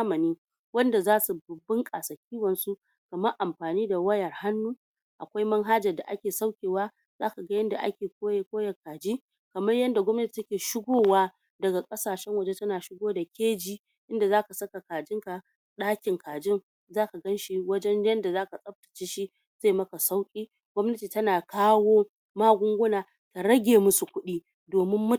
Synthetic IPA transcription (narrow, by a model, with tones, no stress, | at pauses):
a˦mɐ˨niː˦ | wɐ˦nda˨zaː˦su˨bɐ˨bːɪ˦ŋkʼa˨sɐ˨kʲiː˦wɐ˨nsu˦ʔ | kɐ˨mɐ˦rʔa˨mɸaː˨niː˦da˨wɐ˦jɐ˨rha˦nːuː˦ | ʔa̰˨kʷa˦jmɐ˦ŋɦa˦d͡ʒɐ˨rda˨ʔa̰˦kʲeː˨sa˦wkʲeː˨waː˦ | zaː˦ka˨ɡa˦jɐ˦nda˨ʔa̰˦kʲeː˨kʷoː˦je˦kʷoː˦jɐ˨kaː˨d͡ʒiː˦ | kɐ˨mɐ˦rjɐ˦nda˨ɡʷɔ˦mnɐ˦tʲi̥˨tɐ˦kʲeː˨ʃɪ˦ɡʷoː˦waː˦ | dɐ˨ɡa˨kʼɐ˦saː˨ʃɛ˦ŋwɐ˦d͡ʒe˦tɐ˦naː˨ʃɪ˦ɡʷoː˦da˨kʲeː˦d͡ʒiː˦ | ʔɪ˦nda˨zaː˦ka˨sɐ˦ka˨kaː˨d͡ʒɪ˦ŋka˨ | ɗaː˦kʲɪ˨ŋkʰaː˨d͡ʒɪ˦ŋ | zaː˦ka˨ɡɐ˦nʃi˦wɐ˦d͡ʒɛ˦njɐ˦nda˨zaː˦ka˨sʼɐ˦b̚tḁ˨t͡ʃeː˦ʃi˦ | z̥eː˦˨mɐ˦ka˨sa˦wkʲʼiː˦ | ɡʷɔ˦mnɐ˦tiː˨tɐ˦naː˨kaː˦woː˦ | maː˦ɡʷʊ˦ŋɡʷʊ˦naː˨ | ta˨ɽɐ˦ɡʲeː˨mʊ˦su˨kʷʊ˦ɗiː˦ | doː˨mɪ˦mːʊ˦